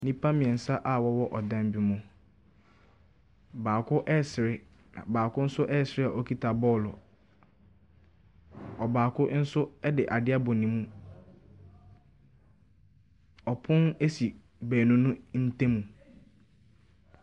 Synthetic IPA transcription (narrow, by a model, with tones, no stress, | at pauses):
nĩ˦pʰa˦mɪ̃˨ɛ˨n̩˨sa˦ʔa˨wɔ˦wɔ˦ʔɔ˨dã˦m˦bi˨mʊ̃˨ | baː˨kʰʊ˦ʔɛ˦˨sɾɪ˦ | ã̰˨baː˨kʊ˦n̩˦sʊ˦ʔɛ˦˨sɪ˨ɾɪ˦a˨ʔɔ˦kʰi˦tʰa˨bɔ˦˨lɔ˨ | ɔ˨baː˨kʊ˦n̩˦sʊ˦ɛ˦dɪ˨ʔa˨dɪ˦a˦bɔ˨nĩ˨mũ˦ | ɔ˨pʰʊ̃˦ne˦si˨ | bæː˨nũ˦nʊ̃˦n̩˦tʰẽ˦mũ˨